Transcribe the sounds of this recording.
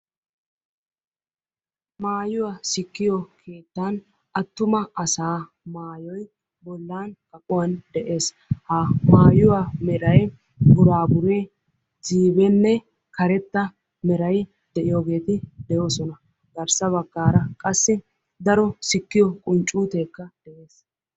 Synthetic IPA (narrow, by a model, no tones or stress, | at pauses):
maːjʊwasɪkːɪjɔkʰeːt̪ːan | ʔɐt̪ːʊmɐɐsaː | maːjɔj | bɔlːaːnkʼɐkʼʊwɐnd̪ɛʔe̞ːs | haːmaːjʊwamɛɾɐj | bʊɾaːbʊɾe | ziːbɛnːɛ | kɐɾɛt̪ːɐ | mɛɾɐj | d̪̥ɛʔɪjoːɡe̞ːt̪ɪd̪ɛjo̞ːsɔnɐ | ɡ̪ɐɾsɐβɐɡːaːɾɐkʼɐsːɪ | d̪ɐɾɔsɪkːɪjɔkʼʊnt͡ʃʼuːt̪eːkːɐd̪̥ɛʔe̞ːs